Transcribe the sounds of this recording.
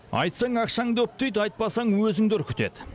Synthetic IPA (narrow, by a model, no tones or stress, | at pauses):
ɑ̰jt̪sɑɴɑqʃɑŋd̪ɵp̚t̪ejd̪ɑjt̪̚pɑsɑɴwɵzɪŋd̪ɪɾkʲʰʏt̪e̞d̪ɪ